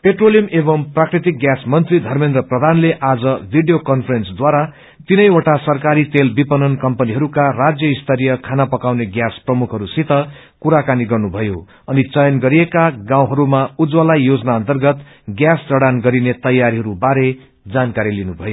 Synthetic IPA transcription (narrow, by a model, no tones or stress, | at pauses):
peʈrolijʌmebʌmprakrit̪ik̚ɡjasmʌnt̪rid̪ʱʌrmẽnd̪rʌprʌd̪ʱanleʔad͡zʌbʱiɖijokʌnpʰʌɾensd̪waɾa | t̪inʌjwoʈasʌrkaɾit̪elbipʌnʌnkʌmpʌniɦʌɾukarad͡zjʌist̪ʰʌɾijʌkʰanapʌkawneɡjasprʌmukʰɦʌɾusit̪ʌ | kuɾakaniɡʌrnubʱʌjo̰ | ʌnit͡sʌjʌnɡʌɾijekaɡãw̃ɦʌɾumaud͡zwalajjod͡zʌnaʌnt̪ʌrɡʌt̪ | ɡjasd͡zʌɽanɡʌɾinet̪ʌjaɾiɦʌɾubaɾe | d͡zankaɾilinubʱʌjo